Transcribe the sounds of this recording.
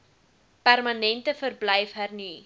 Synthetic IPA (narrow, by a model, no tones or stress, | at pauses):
pærmɐnɛntəfərblɛjfɦərni